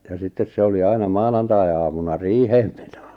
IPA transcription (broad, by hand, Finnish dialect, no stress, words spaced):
jɑ sitːes se oli ɑinɑ mɑnɑntɑiɑmunɑ riːheːm m̥e̥n̥o̥